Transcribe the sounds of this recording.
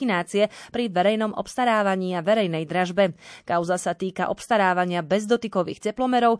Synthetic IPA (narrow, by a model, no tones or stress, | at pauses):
inaːt͡siɛpɾiʋɛɾɛjnɔmʔɔ̰pst̪aɾaːʋaɲiːaʋɛɾɛjnɛjd̪ɾaʒbɛkaʊzasat̪iːkaʔɔpst̪aɾaːʋaɲɪabɛzd̪ɔt̪ikɔʋḭːxcɛplɔmɛɾɔʊ